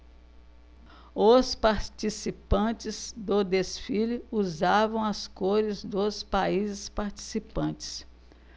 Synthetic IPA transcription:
ospaɾt͡ʃisipɐ̃t͡ʃɪzd̪od̪esfilʊuzavɐ̃w̃ɐskoɾɪzd̪ospaizɪspaɾt͡ʃi̥sipɐ̃t͡ʃɪ̥s

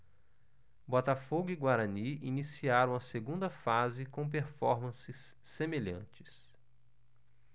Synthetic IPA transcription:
bɔt̪afoɡʊiɡwaɾɐ̃niinisiaɾɐ̃w̃ɐseɡũnd̪ɐfazɪkõpeɾfɔɾmɐ̃sɪsː | emeʎɐ̰̃t͡ʃɪ̥s

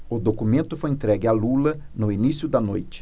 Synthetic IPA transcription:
ʊd̪okumẽnt̪ʊfojẽt̪ɾɛɡɪalulɐ | nʊinisjʊd̪ɐnojt͡ʃɪ̥

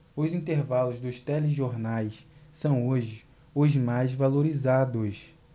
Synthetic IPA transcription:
ʊzĩnt̪eɾvalʊzd̪ʊst̪ɛleʒoɾnajssɐ̃w̃oʒɪ | ʊzmajzvaloɾizad̪ʊs

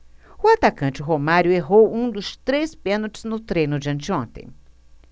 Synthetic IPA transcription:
ʊat̪akɐ̃nt͡ʃɪɦomaɾjʊeɦowũd̪ʊst̪ɾespẽnot͡ʃɪ̥znʊt̪ɾẽnʊd͡ʒɐ̃nt͡ʃɪõnt̪ḛ̃j̃

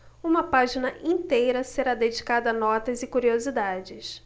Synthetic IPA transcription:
ũmɐpaʒinɐʔĩt̪ejɾɐseɾad̪ed͡ʒikad̪ɐːnɔt̪ɐzɪkuɾiozid̪ad͡ʒɪs

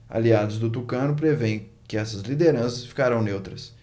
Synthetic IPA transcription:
a̰liad̪ʊzd̪ʊt̪̬ukɐ̃nʊp̬ɾevẽj̃ | kɪɛsɐzlid̪eɾɐ̃sɐsfi̥kaɾɐ̃w̃newt̪ɾɐs

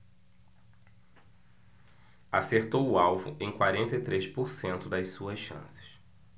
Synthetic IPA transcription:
aseɾt̪owʊawvʊ̰ʔẽj̃kwaɾẽnt̪ɐit̪ɾespoɾsẽnt̪ʊd̪ɐjsuɐsʃɐ̰̃sɪ̥s

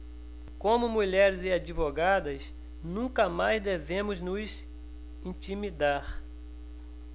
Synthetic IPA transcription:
kõmʊmuʎɛɾɪzɪad͡ʒivoɡad̪ɐs | nũkɐmajzd̪evẽmʊznʊs | ĩt͡ʃimid̪aɾ

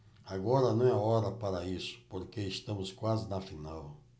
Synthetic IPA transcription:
aɡɔɾɐnɐ̃w̃aɔɾɐpaɾɐisʊ̥poɾkeiʃt̪ɐ̃mʊskwazɪnɐfinaw

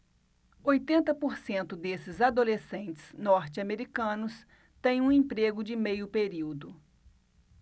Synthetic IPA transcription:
ojt̪ẽnt̪ɐpoɾsẽnt̪ʊd̪esɪzad̪olesẽnt͡ʃɪ̥z̥nɔɾt͡ʃɪameɾikɐ̃nʊs | t̪ẽj̃ũẽpɾeɡʊd͡ʒɪmejʊpeɾiwd̪ʊ

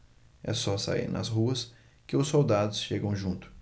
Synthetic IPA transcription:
ɛ̰sɔsa̰ḭɾnɐ̰sɦuɐs | kɪʊsowd̪ad̪ʊsʃeɡɐ̃w̃ʒũnt̪ʊ̥

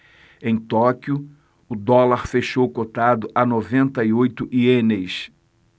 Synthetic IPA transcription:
ẽj̃t̪ɔkjʊ | ʊd̪ɔlaɾfeʃowkot̪ad̪ʊʔɐnovẽnt̪ɐiojt̪ʊʔienejs

